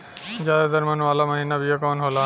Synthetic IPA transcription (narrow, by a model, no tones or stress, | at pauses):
d͡ʒad̪ad̪aɾmanualamaɦinabiakɔnɦɔla